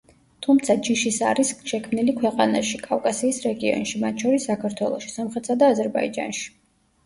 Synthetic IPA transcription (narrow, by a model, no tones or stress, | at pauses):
t̪ʰumt̪sʰad͡ʒiʃisa̰ɾisʃɛkʰmnilikʰwɛqʼanaʃikʼafkʼasiːsɾɛɡiɔ̰nʃimat̪ʰʃɔɾisːakʰaɾt̪ʰwɛlˠɔ̰ʃi̥samχɾɛt̪sad̪aːzɛɾbaḭd͡ʒa̰nʃi̥